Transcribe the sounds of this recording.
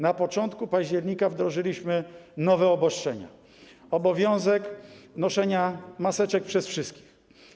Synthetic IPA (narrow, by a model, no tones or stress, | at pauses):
napɔt͡ʂɔnt̪kupaʑd͡ʑɛɾɲikavd̪ɾɔʐɘlʲiɕmɘnɔvɛɔbɔst͡ʂɛɲa̰ | ɔbɔvʲjɔ̃w̃zɛknɔʂɛɲamasɛt͡ʂɛk̚pʂɛsfʂɘst̪̚kʲi̥x